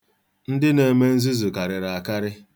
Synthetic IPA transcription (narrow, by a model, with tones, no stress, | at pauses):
n̩˦dɪ˦ne˨me˦n̩˦zi˦zu˨ka˨ɾɪ˨ɾa˨a˨ka˦ɾɪ˦